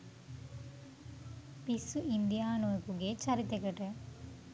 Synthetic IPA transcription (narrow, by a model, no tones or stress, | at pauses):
pisuʔind̪ijaːnoekuɡet͡ʃɐɾit̪ekəʈə